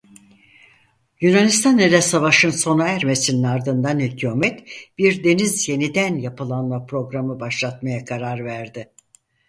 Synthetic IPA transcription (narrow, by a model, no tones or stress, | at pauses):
jynanist̪ʰanelʲɛsavaʃɯnso̞naæɾme̞sininaɾd̪ɯnd̪anhycʰumɛt̪b̥iɾd̪e̞nizje̞nid̪ænjapɯlˠanmˠapɾo̞ɡɾamɯbaʃlˠat̪majakʰaɾaɾvæɾd̪ɪ